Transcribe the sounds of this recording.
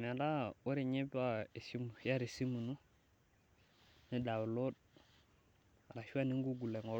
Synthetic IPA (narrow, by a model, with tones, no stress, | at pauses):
m˨a˨da˦o˦ɾɪ˨ɲɛ˦pa˦e˨si˦m˨ja˦ɾe˨si˦mu˨nu˦ | nɪ˦da˨wlo˦d̚ | a˨ɾa˨ʃu˦a˦ni˦ŋɡu˦ɡu˨lɛ˨ŋɔ˨